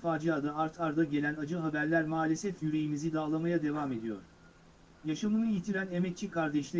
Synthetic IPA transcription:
faːd͡ʒiad̪aːɾt̪ʰaɾd̪aɟe̞lʲænad͡ʒɯɦabæɾlʲæɾmaːlʲesɛfjyɾe̞jimizid̪aːlˠamajad̪e̞vaːme̞d̪ijo̞̰ɾ̥ | jaʃamɯnɯjit̪ʰiɾæne̞mɛt̪̚t͡ʃʰikʰaɾd̪ɛʃlʲe

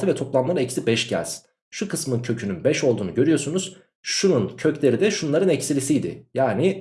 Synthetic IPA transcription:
t̪ʰɯvɛt̪ʰo̞plˠamlˠaɾaɛcsibɛʃɟæ̰lʲz̥ | ʃukʰɯsmɯncʰø̞cʰynynbɛʃo̞lˠd̪uːnuɟø̞ɾyjo̞sunuz̥ | ʃununcʰø̞clʲe̞ɾid̪ɛʃunlˠaɾɯnɛcsilʲisijd̪ɪ̰jaːnɪ

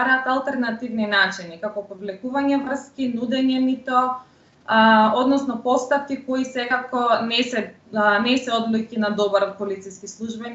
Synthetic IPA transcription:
aɾaːt̪alˠt̪ɛɾnat̪ivninat͡ʃinikakɔpɔvlɛkuvaɲɛvr̩skinud̪ɛɲɛnit̪ɔ | ɔd̪nɔsnɔpɔst̪afkikoisɛkakɔnɛsɛ | nɛsɛɔd̪lukinad̪ɔbaɾɔt̪̚pɔlit̪siskislˠuʒbɛn

